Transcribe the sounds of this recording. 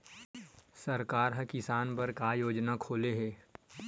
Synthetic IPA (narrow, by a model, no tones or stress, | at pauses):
sɐɾkaːɾɦɐkɪsaːnpɐɾkajoːd͡ʒnakʰoːleɦɛː